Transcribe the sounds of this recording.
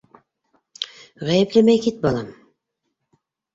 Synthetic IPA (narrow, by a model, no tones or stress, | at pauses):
ʁæjeplemæjkit̪̚bɑlˠɑm